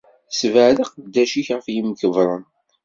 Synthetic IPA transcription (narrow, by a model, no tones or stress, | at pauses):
svəʕlɑqd̪ːæʃiçʁəfjimkəvɾˤən